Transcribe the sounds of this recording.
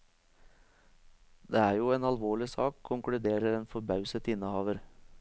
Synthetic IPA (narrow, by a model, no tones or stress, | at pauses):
d̪eːæːɾjuːeːnɑlʋoːɭɪsɑːkʰʊŋkɽʉd̪eːɾəɾeːnfɔɾbɑʉsət̪ɪnəhɑːʋəɾ